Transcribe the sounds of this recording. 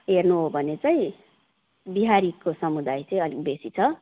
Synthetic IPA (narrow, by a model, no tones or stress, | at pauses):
ɦernuɦobʱʌnet͡saĩ | biɦaɾikosʌmud̪ajt͡sʌĩʌlik̚besit͡sʰʌ